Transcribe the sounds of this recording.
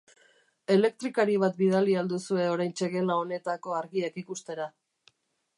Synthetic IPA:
e̞le̞k̚t̪ɾikaɾiβ̞at̪biðaliald̪usue̞o̞ɾajnt͡ʃe̞ɣe̞lao̞ne̞t̪ako̞aɾɣiakikust̪e̞ɾa

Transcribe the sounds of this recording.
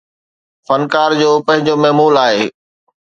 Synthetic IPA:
fɐnkaːɾd͡ʑoːpɐ̃ɦɪ̃ɲd͡ʑomɐɦmuːlaːɦeː

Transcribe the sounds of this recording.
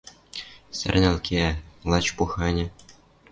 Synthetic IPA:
sʲɘ̰̆rʲnʲɘ̆lʲkʲʰiælˠɑt͡ɕpuxɑnʲɘ̆

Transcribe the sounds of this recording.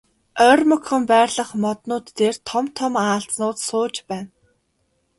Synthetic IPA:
œːrmɵkχə̆mpæːrɮə̆χmɔt̪nʊːt̪ːeːrt̪ʰɔmt̪ʰɔmaːɬt͡snʊːt̪sʊːt͡ɕpæːn

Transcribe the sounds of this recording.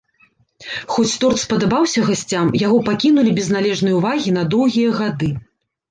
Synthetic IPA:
xɔt͡sʲt̪ɔrt̪spɐd̪abawsʲɐɣasʲt͡sʲamjaɣɔpakʲinulʲibʲɛznalʲɛʐnɨjuvaɣʲin̪ɐd̪ɔwɣʲijɐɣad̪ɨ

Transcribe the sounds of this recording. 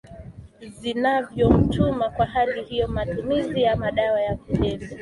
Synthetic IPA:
zinavjɔm̩tʰumakwahalihijɔmatumizijamaɗawajakuhɛva

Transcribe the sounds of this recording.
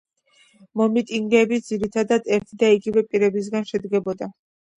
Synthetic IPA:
mɔmit̪ʼiŋɡɛːbid̪z̥iɾit̪ʰad̪ad̪ɛɾt̪ʰid̪aiɡivɛpʼiɾɛbis̬ɡanʃɛd̪ɡɛbɔd̪a

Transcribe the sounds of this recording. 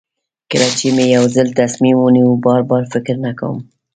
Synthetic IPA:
kɪɾɑt͡ʃimejawzəlt̪asmimunibɑɾbɑɾfɪkɾnaka̰wə̰m

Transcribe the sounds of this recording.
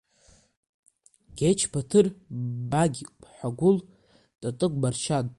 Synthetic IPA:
ɡ̥ʲet͡ʃʰpʰatʰɨrbaɡʲpʰħʷaɡʷʊl | tʼatʼɨɡʷʼbarʃan

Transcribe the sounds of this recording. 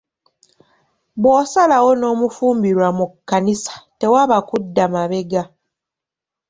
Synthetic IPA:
βwosalawo̞no̞ːmufuːmbiɾwamukːanisḁte̞waβakudːamaβe̞ɡa

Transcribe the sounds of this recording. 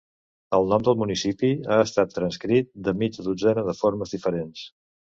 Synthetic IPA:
əlˠnɔmd̪əlˠmunisipiaəst̪at̪ːɾənskɾit̪̚d̪əmid͡ʒðud͡zɛnəðəfoɾməzðifəɾens

